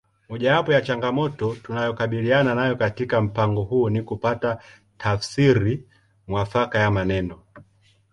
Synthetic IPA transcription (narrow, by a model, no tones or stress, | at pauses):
mɔʄawapɔjat͡ʃaŋɡamɔtɔtunajɔkaɓiliananajɔkatikam̩paŋɡɔhuːnikupata | tʰafsiɾi | mwafakajamanɛnɔ